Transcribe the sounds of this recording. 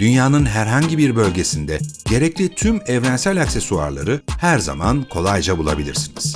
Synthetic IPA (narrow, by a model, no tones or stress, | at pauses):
d̪̥ynjaːnɯnɦæɾɦaɲɟibiɾbø̞lʲɟe̞sind̪ɛɟ̥e̞ɾɛclʲit̪ʰymɛvɾænsælʲaksesua̰ɾlˠa̰ɾɯhæɾza̰mankʰo̞lˠajd͡ʒabulˠa̰bilʲḭɾsiniz̥